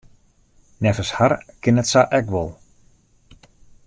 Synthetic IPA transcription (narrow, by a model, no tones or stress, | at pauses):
nɛfəsharkɪnɛtsaʔɛkʋɔlˠ